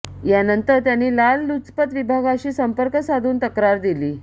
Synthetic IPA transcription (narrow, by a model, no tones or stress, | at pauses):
janənt̪əɾt̪janːiːlalːut͡spət̪ʋibʱaɡaɕiːsəmpəɾkəsad̪ʱuːnt̪əkɾaɾd̪iliː